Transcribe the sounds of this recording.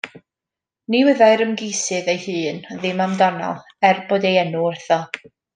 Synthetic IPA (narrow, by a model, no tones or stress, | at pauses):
niwɪðajɾəmɡejsɨðejhɨːnðɪmamdɔnɔ̰lˠ | ɛrbodejɛnurθɔ